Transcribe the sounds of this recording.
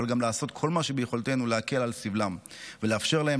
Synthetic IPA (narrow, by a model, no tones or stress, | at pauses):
alɡamlaːso̞t̪kʰo̞lmaʃebejeχo̞lt̪e̞nuleake̞lalsivlamveleafʃe̞ʁlahe